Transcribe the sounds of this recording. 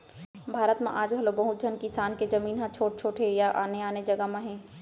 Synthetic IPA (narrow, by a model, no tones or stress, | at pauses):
bʱaːɾət̪mã̰ʔaːd͡ʒbʱɐlobɐɦʊt̪̚d͡ʒʱɐnkɪsaːnkezɐmiːnɦãt͡ʃʰoːʈ̚t͡ʃʰoːʈʰejaʔa̰ːneaːned͡ʒɐɡamãɦɛ̃ː